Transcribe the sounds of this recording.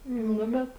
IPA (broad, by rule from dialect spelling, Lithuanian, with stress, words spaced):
ˈnʊ bʲɛt